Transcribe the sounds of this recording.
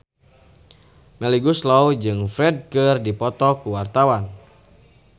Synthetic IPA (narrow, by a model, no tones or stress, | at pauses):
mɛliɡuslawd͡ʒɨŋfɾɛd̚kɨrdipɔt̪ɔkuwart̪awan